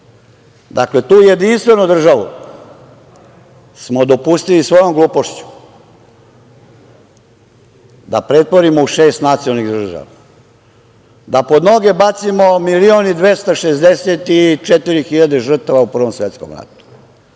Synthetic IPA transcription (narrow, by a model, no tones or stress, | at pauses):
d̪akle̞t̪uːje̞d̪inst̪ʋe̞nud̪r̩ʒaʋṵ | smod̪o̞pust̪ilisʋo̞jo̞mɡluːpo̞ʃt͡ɕu̥ | d̪a̰pɾet̪poɾimouʃe̞ːst̪nat̪siolniɣd̪r̩ʒa̰ʋa | d̪apo̞d̪no̞ɡe̞bat̪simo̞milionid̪ʋe̞st̪aʃezd̪eset̪it͡ʂet̪iɾixiʎad̪eʒr̩t̪aʋaupr̩ʋo̞msʋet̪sko̰mɾa̰t̪u̥